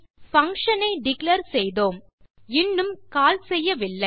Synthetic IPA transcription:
fɐŋkʂɐnɐɪɖɪklɐɾsɛjðoːm | ɪnːɯmkaːlsɛjːɐʋɪlːɐɪ

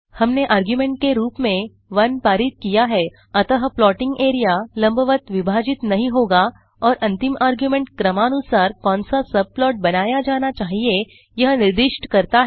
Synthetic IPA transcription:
hɐmneʔaːɾɡjumẽːɳʈ̚keɾuːpmẽ | ʋɐnpaːɾɪt̪̚kijaɦɛː | ɐt̪əɦplɔːʈɪ̃ŋɡeːɾijalɐ̃mbəʋət̪ʋɪbʱaːd͡ʒɪt̪nɐɦĩɦoːɡa | ɔːɾʔɐ̃nt̪ɪmaːɾɡjumẽɳʈkɾɐmaːnusaːɾkɔ̃ːnsasɐb̚plɔːʈ̚bɐnaːjad͡ʒaːnat͡ʃaːɦie | jɐɦnɪɾd̪ɪʃʈkɐɾt̪aɦɛ

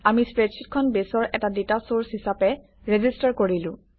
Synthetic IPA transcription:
amispɹetsʰit̚kʰɔnbesɔɹʔɛtadetasoɹsɦisapɛ | ɹezistaɹkoɹilʊ̃

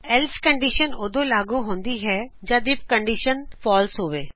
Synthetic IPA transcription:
ɛlskəɳɖiʃənoːd̪õːlaːɡuɦõːnd̪iɦɛːd͡ʒãːd̪ɪpkəɳɖiːʃənfɔːlsɦoːʋeː

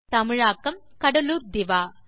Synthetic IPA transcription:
t̪ɐmɪɻaːkːɐm | kɐɽɐluːɾd̪ɪʋaː

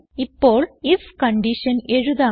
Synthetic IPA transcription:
ɪpːoːɭɪfkɐɳɖɪʃɐnɛɻɯðaː

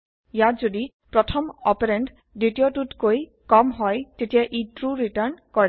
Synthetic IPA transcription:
jazodi | pɹɔtʰɔmɔpeɾenʈ | ɖitiɔtutkoj | kɔmɦɔjtetijaʔitɹuɹiʈəɹnkɔɹ

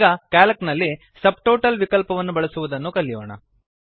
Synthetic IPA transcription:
ɡɐkaːlɐknɐlːi | sɐb̚ʈoːʈɐlʋikɐlpɐʋɐnːubɐɭɐsuʋud̪ɐnːukɐlːijoːɳɐ̰

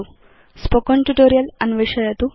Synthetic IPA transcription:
u | spokonʈuʈoːɾijɐlɐnʋiʂɐjɐt̪u

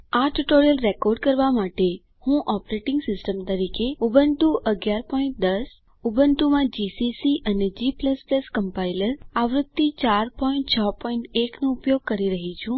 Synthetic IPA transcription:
aʈuʈoɾijəlɾekoɾɖkəɾʋamaʈe | hũʔɔpɾeʈɪ̃ŋɡsɪsʈəmt̪əɾikeubənt̪uʔəɡjaɾpɔĩɳʈ̚d̪əs | ubənt̪umãd͡ʒisisiʔəned͡ʒipləspləskəmpailəɾaʋɾʊd̪̚t̪ːit͡ʃaɾpɔiɳʈt͡ʃʰəpɔiɳʈeknoupjoɡ̚kəɾiɾəɦit͡ʃʰũ

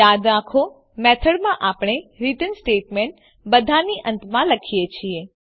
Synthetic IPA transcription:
ad̪nãkʰo | mɛt̪ʰəɽmãʔapɳ̃eɾiʈənsʈeːʈmẽɳʈ | bəd̪ʱaniʔə̃nt̪mãləkʰijet͡ʃʰie

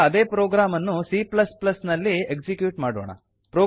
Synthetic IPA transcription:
ɐd̪e̞ːpɾoːɡɾaːmɐnːusiplɐsplɐsnɐlːieksikjuːʈmaːɽoːɳɐ̰ | pɾoː

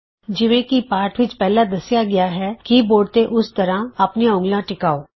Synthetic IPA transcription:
d͡ʒɪʋẽkipaːɾʈʰʋɪt͡ʃpɛɦlad̪ɐsjaɡɐjaɦɛkiboːɖt̪ẽʔʊst̪ɐɾãɐpnijaʊ̃ŋɡlãʈɪkaːoː

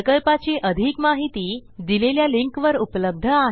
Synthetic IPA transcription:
kəlpat͡ɕiːʔəd̪ʱiːkmaɦit̪iːd̪ileljaliŋkʋəɾupləb̚d̪ʱəaɦ

